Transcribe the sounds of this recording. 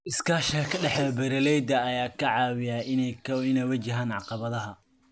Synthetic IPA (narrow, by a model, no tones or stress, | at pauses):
ʔɪskʰaːʃʰɐkʰɐɖɛħdɐbɛɾɐlɛjd̪ɐːjaːkʰɐʕɑːwɪjaːɪɪnɛjwɐt͡ʃɪɦaːnʕɑ̰qɑβɐðɐɦɐ